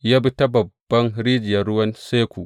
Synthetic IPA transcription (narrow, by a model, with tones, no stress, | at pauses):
ja˦bi˦ta˦bɐ˨bbːɐ˦nɾi˦d͡ʒɪ˨jɐ˨ɾu˦wɐ˦nse˦kʷu˨ʔ